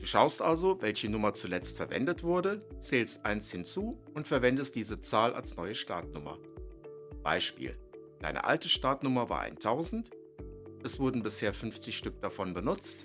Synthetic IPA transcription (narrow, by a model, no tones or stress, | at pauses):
d̥uːʃaʊstʔalzovɛlçənʊmɐt͡sulɛt͡stfɛɐvɛ̰ndətv̥ʊɐdət͡sɛːlstʔaɪnshɪnt͡suː | ʊntfɛɐvɛndəstd̥iːzət͡saːlʔa̰lsnɔʏəʃta̰ɐtnʊmɐ̰ | b̥a̰ɪʃpḭːl | d̥a̰ɪnʔə̰ʔa̰ltəʃtaːɐtnʊmɐva̰ːɐʔa̰ɪntʰaʊzn̩t | ʔɛsv̥ʊɐdn̩bɪsheːɐfʏnft͡sɪçʃtʏk̚d̥afɔnbənʊt͡st